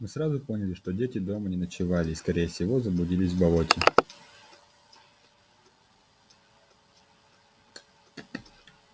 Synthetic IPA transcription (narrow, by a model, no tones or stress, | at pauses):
mɨsɾazʊpo̞nʲɪlʲɪʂt̪odʲetʲɪd̪o̞mənʲɪnət͡ɕɪvalʲɪːskɐɾʲejəfsʲɪvo̞zəblˠʊdʲilʲɪsʲvbɐotʲɪ